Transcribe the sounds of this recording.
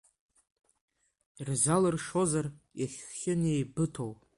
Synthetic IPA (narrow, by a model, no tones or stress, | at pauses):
irzalɨrʂo̞zarjaχʲːɪnejbɨtʰow